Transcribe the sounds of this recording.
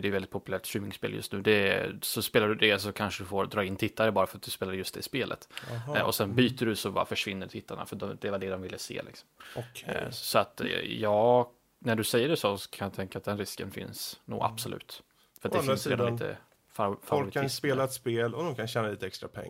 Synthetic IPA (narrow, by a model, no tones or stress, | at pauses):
d̪ɛjʏvɛld̪ɪt̪pʊpɵlæːʈɕʉːmɪŋspḛːljɵ̰st̪nʉ̟ːd̪ɛsɔspeːlaɖɵd̪ɛsɔkʰanʂəd̪ɵfoɾd̪ɾɑːɪnːt̪ʰɪt̪ːaɾəbɑːɾafœɾat̪̚d̪ɵspeːladjɵst̪d̪ɛɪspeːlʔə̰t̪ɔ̰sɛnbyːt̪əɖɵsɔbɑ̰ːɾa̰fœʂvɪnːəʈ̪ʰɪt̪ʰːaɳa̰fœd̪ɔd̪ɛvad̪ɛd̪ɔmvɪlːəsḛːlʔɪ̰ksɔ̥mmʰ | sɔat̪jɑː | næɖɵsɛjːəɖɛsɔsɔ̥kʰanjɑt̪ʰɛŋkat̪̚d̪ɛnɾɪskənfɪ̰nsnṵːɡa̰b̥sɔlʉ̟̰ːt̪ | fœɾt̪d̪ɛfɾsieːd̪amɪt̪ə̰ | favlɾɪtk̪ʰːspeːlaɛt̪speːlɔd̪ɔmkʰanɕɛːnaliːt̪əɛkst̪ɾa̰pʰɛ̰ŋː